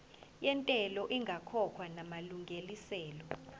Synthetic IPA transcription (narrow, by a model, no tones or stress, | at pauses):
jɛntʼɛlɔʔiŋɡʱakʰɔkʰwanamaluŋɡʱelisɛːlɔ